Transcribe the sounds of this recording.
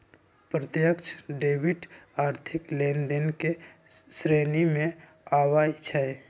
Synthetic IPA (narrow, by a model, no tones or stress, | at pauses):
pɾət̪jəkt͡ʃʰɖeːbɪʈaːɾt̪ʰɪklẽːnd̪enke | sɾeːnimẽ | aːwaːjt͡ʃʰɛe